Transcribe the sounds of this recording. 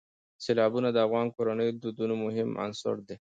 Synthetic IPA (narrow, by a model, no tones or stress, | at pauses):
selɑbunad̪əafɣɑnkoɾanəjod̪ud̪unomʊɦɪma̰nsʊ̰ɾd̪e